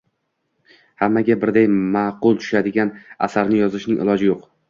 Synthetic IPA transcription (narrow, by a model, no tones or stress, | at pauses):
hamːaɡʲabɪɾd̪ajmaqʊlˠt̪ʰʊ̥ʃad̪ɪɡʲana̰saɾnɪjɒzɪʃnɪŋʲʔɪ̰lˠɒd͡ʒɪjoq